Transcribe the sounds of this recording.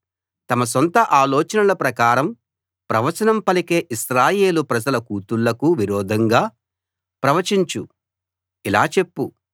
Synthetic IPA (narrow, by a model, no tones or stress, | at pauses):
t̪ɐmɐs̬ɔnt̪ɐʔaːlɔːt͡ʃɐnɐlɐpɾɐkaːɾɐm | pɾɐʋɐt͡ʃɐnɐmpɐlike̞ːʔiʃɾaːje̞ːlupɾɐd͡ʒɐlɐkuːt̪uɭːɐkuʋiɾɔːd̪ʱɐŋɡaː | pɾɐʋɐt͡ʃiɲt͡ʃu | ila̰ːt͡ʃe̞pːu